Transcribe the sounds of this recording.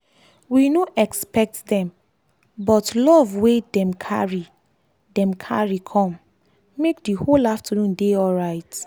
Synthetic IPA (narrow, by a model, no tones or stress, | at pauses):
winoʔɛkspɛk̚tdɛ̃m | bɔtlɔvwedɛ̃mkʰa̰ɹi | dɛ̃mkʰa̰ɹikʰɔ̃m | mek̚diholaftənũndeɔlɹaɪt